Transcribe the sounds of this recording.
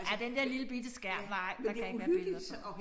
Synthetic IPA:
æɐd̥end̥ɛɐ̰liləb̥id̥əsɡ̥æɐ̰bʋɑɪ̰d̥ɑ̈æeɡ̥ʋæɐ̥e

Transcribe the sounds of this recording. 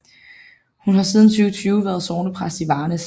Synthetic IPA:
hunɦɑ̈sið̞ˠn̩t͡sʰyːʊət͡sʰyːʊʋæɐð̞̩ˠsoːnəpʰʁasd̥iʋɑ̈ːnəs

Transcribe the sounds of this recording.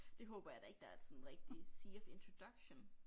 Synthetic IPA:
d̥e̝ɦɔ̽ːb̥ɐjɑ̈d̥ɑ̈e̝ɡ̥̚d̥ɑ̈æɐ̥sɒ̽nn̩ʁɛɡ̥̚d̥isiefe̝nt͡sʰʁo̝d̥ɑɡ̥ɕon

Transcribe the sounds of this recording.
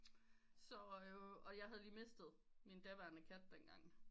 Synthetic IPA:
sɒ̽øɒ̽jɑ̈ɪɦæð̞ˠliːme̝sd̥ð̩ˠ | mind̥æʋæɐnəkʰæd̥̚ːenɡ̥ɑ̈ŋ̰

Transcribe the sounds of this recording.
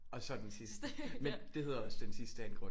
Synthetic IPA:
ɒ̽sɒ̽d̥ensisd̥mend̥e̝he̝ð̰ˠɒ̽sd̥ensisd̥əæɐenɡ̥ʁɔ̽

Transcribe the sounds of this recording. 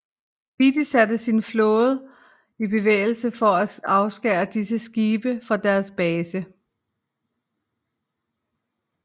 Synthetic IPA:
bid̥isæd̥əsinflɔ̽ːð̞̩ˠ | ibe̝ʋḛːɪl̩səfɒ̽æɑ̈ʊsɡ̥ɛːɐd̥isəsɡ̥iːb̥əfɒd̥æɐsb̥ɛːsə

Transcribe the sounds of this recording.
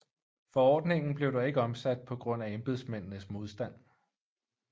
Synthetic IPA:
fɒ̽ɒ̰ːd̥ne̝ŋn̩b̥le̝ʊd̥ɑ̈e̝ɡ̥əɒ̽msæd̥̚pʰɒ̽ɡ̥ʁɔ̽n̰æemb̥e̝ð̞̰ˠsmen̰nəsmo̝ð̞ˠsd̥æn̰

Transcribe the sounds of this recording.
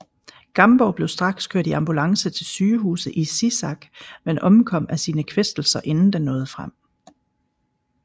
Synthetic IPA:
ɡ̥ɑ̈mb̥ɒʊb̥le̝ʊsd̥ʁɑ̈ɡ̥skʰøɐ̰d̥iɑ̈mb̥ulɑ̈ŋsət͡sʰe̝lsyːəɦṵːsðəʔisisɑ̈ɡ̥menɒ̽mkʰɒ̽m̰æsiːnəkʰʋesd̥l̩sɐʔe̝nn̩d̥enːɔ̽ːð̞ˠfʁam̰

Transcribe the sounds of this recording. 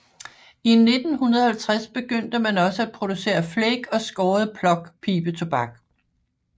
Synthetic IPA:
ine̝d̥n̩ɦunɐð̩ˠhælt͡sʰʁasb̥e̝ɡ̥øn̰d̥əmænɒ̽səæd̥̚pʰʁo̝d̥use̝̰ːɐfleɡ̥ɒ̽sɡ̥ɒːð̩ˠpʰlɒ̽ɡ̥pʰiːb̥ət͡sʰo̝b̥ɑ̈ɡ̥

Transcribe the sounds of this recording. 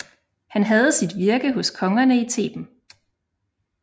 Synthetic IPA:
hænɦæð̞̩ˠsid̥ʋiɐɡ̥əɦɔ̽skʰɒ̽ŋɐnəit͡sʰe̝̰ːb̥n̩

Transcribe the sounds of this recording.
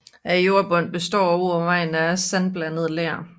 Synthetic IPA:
æjo̝ɐb̥ɔ̽n̰b̥e̝sd̥ɒ̰ːɒoɒʋɑ̈ɪ̰n̩æsænb̥lænəð̞̩ˠleɐ̰

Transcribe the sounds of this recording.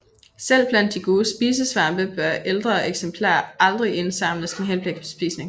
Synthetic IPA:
sel̰b̥læn̰d̥ːiɡ̥o̝ːð̩ˠsb̥iːs̬əsʋɑ̈mb̥əb̥ɶɐʔeld̥ʁɐeɡ̥sempʰlɑ̰̈ːɑ̈ld̥ʁie̝nsɑ̈m̰ləsd̥enɦenb̥leɡ̥̚pʰɒ̽sb̥ḭːsne̝ŋ

